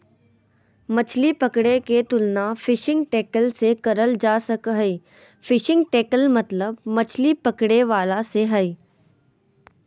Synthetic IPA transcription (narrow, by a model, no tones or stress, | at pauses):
mɐt͡ʃʰlipəkɽeket̪ʊlnafʰɪʃɪ̃ŋɡ̚ʈeːkəlsekɐɾəld͡ʒaːsəkɦəiː | fɪʃɪ̃ŋɡ̚ʈeːkəlmɐt̪ləbmɐt͡ʃʰlipəkɽeʋaːlaseɦɐiː